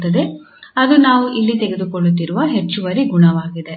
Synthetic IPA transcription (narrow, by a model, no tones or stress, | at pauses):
t̪ːɐd̪e̞ | ɐd̪unaːʋuʔilːit̪eɡe̞d̪ukoɭːut̪̬ːiɾuʋɐɦe̞t͡ʃːuʋɐɾiɡuɳɐʋaːɡid̪e